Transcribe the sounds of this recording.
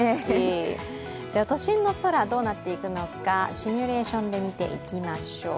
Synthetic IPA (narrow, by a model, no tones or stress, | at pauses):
ei | d̪̥eat̪o̞ɕĩnːo̞so̞ɾad̪o̞ːnat̪ːe̞ikɯ̟no̞kaɕimʲyɾe̞ːɕõ̞nd̪e̞mʲit̪e̞̰ʔḭkʲimaɕo̞ː